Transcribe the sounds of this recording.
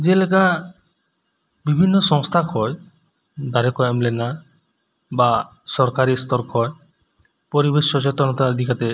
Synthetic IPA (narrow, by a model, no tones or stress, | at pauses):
d͡ʒeleka | bibʱinːɔsɔŋst̪ʰakʰɔj | d̪aɾekɔemlena | ba | sɔɾkaɾist̪ɔɾkʰɔe | pɔɾibeʃɔt͡ʃet̪ɾɔnɔt̪aɔd̪ʱikat̪e